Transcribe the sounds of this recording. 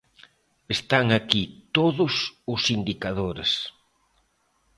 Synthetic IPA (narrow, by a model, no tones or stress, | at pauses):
est̪aŋakit̪oðʊsʊsind̪ikaðoɾḛs